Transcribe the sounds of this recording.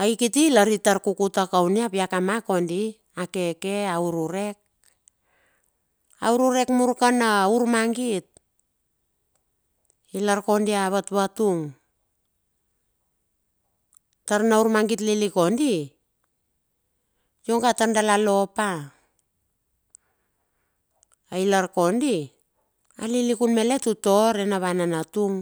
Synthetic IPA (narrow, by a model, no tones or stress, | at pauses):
ajkitilaɾitaɾkukutakawniapiakamako̞ndi | ake̞ke̞auɾuɾe̞k̚ | auɾuɾe̞kmuɾkanauɾmaŋɡit̚ | ilaɾko̞ndiaβatβatuŋ | taɾnauɾmaŋɡitliliko̞ndi | jo̞ŋɡatandalalo̞pa | ailaɾko̞ndi | a̰lilikunme̞le̞tuto̞ɾenaβananatuŋ